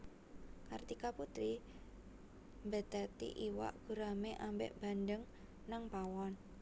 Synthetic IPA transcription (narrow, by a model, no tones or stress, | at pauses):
kart̪ikaput̪ɾi | mbə̤d̪̥at̪ḭʔiwa̰ʔɡ̥ṳɾameʔambḛʔb̥a̤ndəŋ | naŋpawɔn